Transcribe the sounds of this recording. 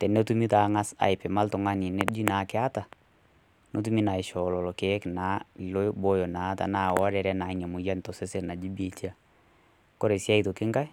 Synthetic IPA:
tɛ˨nɛ˦tu˦mi˦ta˨ŋa˦sa̰˨ɪ˨pɛ˨ma˦ltʊ˨ŋa˦ni˨nɛ˦d͡ʒi˦naː˨˦kɪ˦a˦ta˨ | no˦t̬u˦mi˦na˨ɪ˨ʃɔ˨lɔ˨lɔ˨ke˨˦knaː˦˨lo˦bo˦jɔ˨naː˨˦ta̰˨naː˨wɔ˦ɾɛ˨ɾɛ˦na˨ɲɛ˨mʊ˨ja˦ntɔ˨se˦se˦na˨d͡ʒi˦be˨t͡ʃi˦a˨ | kɔ˦ɾe˨sja˦ito˨kɪ˦ŋka˦j

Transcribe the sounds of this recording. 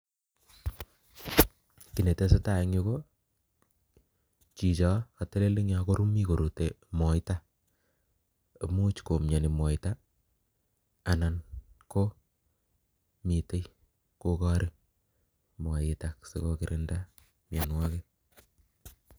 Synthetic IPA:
ki˨ne˨te˦se˦ta˨e˦ŋo˦ko˦ | t͡ʃi˨t͡ʃɔ˦ka˨te˦le˦li˦ŋa˨ko˦ɾu˦mi˦ko˨ɾu˨te˨mɔ˨jta˦˨ | mu˦t͡ʃko˨mɲa˨ni˨mɔ˨ta˦ | a˨na˨nko˦ | mi˨te˦j | ko˦kɔ˦ɾi˦ | mwa˨jɪta˨ksḛ˨ko˦kiɾʔɪnda˦ | mja˨nwɔ˦ke˦

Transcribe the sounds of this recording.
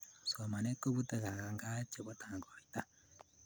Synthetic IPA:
so˨ma˨ne˦ko˦βu˦te˨ka˨ɣa˨ŋɡa˦t͡ʃe˨βo˦taːŋɡo˨ita˦

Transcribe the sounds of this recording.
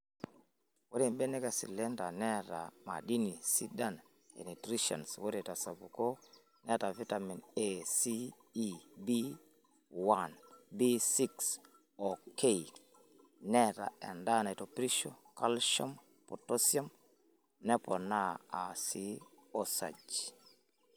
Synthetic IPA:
wo˦ɾɛ˨mbɛ˦nɛ˦ka˨sḭ˨lɛ˦nda˨nɛ˦ɾa̰˨ma̰˨di˦ni˨si˦da˦n | ḛ˨ni˨tɾi˦ʃa̰˨nswo˦ɾɛ˨ta˨sa˨bu˨ko˦ | nɛ˦ta˨vi˦ta˨mi˨nesiː˦ | bi˦ | wanbi˦si˦ks | oke˦i | nɛ˦ta̰˨ɛ̰˨nda˦na˨i˨topɾi˦ʃoka˦lʃa˦m | poto˦sia˦m | nɛ˦pɔ˨na˦a˨si˦o˦sa̰˨d͡ʒ

